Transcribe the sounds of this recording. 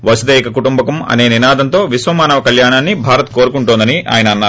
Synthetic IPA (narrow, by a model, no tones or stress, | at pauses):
ʋɐsud̪eːkɐkuʈumbɐkɐmɐ̰ne̞ːninaːd̪ʱɐnt̪o̞ːʋisʋɐmaːnɐʋɐkɐljaːɳaːnːibʱaːɾɐt̪̚ko̞ːɾukuɳʈuːnd̪ɐniʔa̰ːjɐnɐɐnːaː